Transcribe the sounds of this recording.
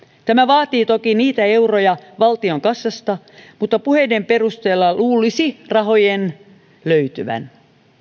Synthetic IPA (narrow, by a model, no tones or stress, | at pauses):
t̪æmæʋɑːt̪iːt̪okiniːt̪æeurojɑʋɑlt̪ioŋkɑsːɑst̪ɑ | mut̪ːɑpuhedemperust̪eːlːɑluːlisirɑhojen | løyt̪yʋæ̰n